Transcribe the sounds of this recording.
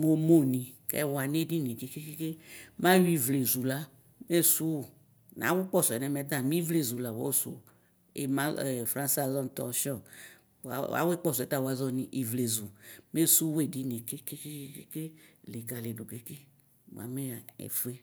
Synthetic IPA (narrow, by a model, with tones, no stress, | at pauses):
ŋo˨mo˦nĩ˨kɛ̰˦wa˨ne˦di˦nẽ˨ke˦ke˦ke˦ke˦mã˦ji˦vle˨zu˨la˦ | me˦su˦˨ | n˨a̰˨˦wu˦k͡pɔ˦˨sɔ˨ɛ˨nɛ˨˦mɛ˦d̪ã˦˨mĩ˦vle˨zu˨la˨wɔ˦so̰˨ | ḛ˨mã˦ɛ˨fɾã˦nsa˦˨zɔ˦n˦t̪ɔ˨ʃɔ̰˦˨ | a̰˦we˦k͡pɔ˦˨sɔ˨ɛ˨t̪a˦˨wa˨˦zɔ˦nĩ˨ʔi˨vle˨zu˨me˦su˦we˦˨di˦nẽ˨ke˦ke˦ke˦ke˦ke˦ke˦le˨ɡa˨le˨do˨ɡe˨˦ke˦ | w̰a̰˨me˦˨ɛ̰˨fu˦e˦